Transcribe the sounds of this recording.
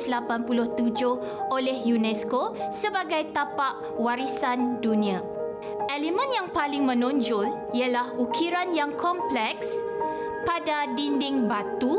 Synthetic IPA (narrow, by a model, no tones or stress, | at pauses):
slapanpulʊht̪ud͡ʒʊh | ʔolɛhjunɛskosəbaɡajt̪apaʔ | waɾisandunĩa | ʔɛlimə̃njaŋpalɪŋmə̃nũɲd͡ʒʊl | ialahʔukʰiɾanjaŋkʰɔmplɛks | padadindɪŋbat̪u